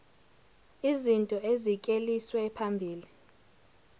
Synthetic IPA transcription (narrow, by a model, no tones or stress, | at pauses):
izintʼɔezikʼeliswɛpʰambʱiːli